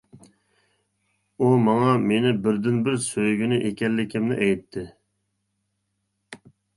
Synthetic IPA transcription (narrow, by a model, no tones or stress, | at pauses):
umɑŋɑmenɪbɪɾd̪ɪnbɪɾsøjɡʲinɪʔekʲɛlːɪkʲʰɪmnɪ̰ʔɛjt̪ʰːɪ